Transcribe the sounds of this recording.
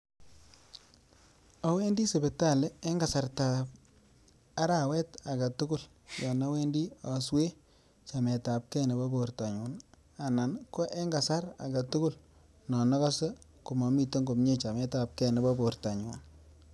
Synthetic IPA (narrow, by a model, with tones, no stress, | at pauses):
a˦we˦ndi˦se˨be˨ta˦˨lɛ˦ɛ˦ŋɡa˨sa˨rta˨p̚ | a˦ɾa˨wɛ˦ta˨ɡa˨tʊ˦ɡʊ˦˨l | ja˨nɔ˦we˦ndi˦a˨swe˦ | t͡ʃa˨mɛ˨ta˨p̚kɛ˦nɛ˨ba˦bo˨ɾta˨ɲu˨n | a˨na˨nkɔ˦ʔɛ˦ŋɡa˨sa˦ɾa̰˨ɡa˨tʊ˦kʊ˦˨l | nɔ˨nɔ˦ka˦se˦ | ku˨ma˨mi˨to˦ŋɡo˨mɲe˦t͡ʃa˨mɛ˦ta˨p̚kɛ˦nɛ˨ba˦bo˨ɾta˨ɲu˨n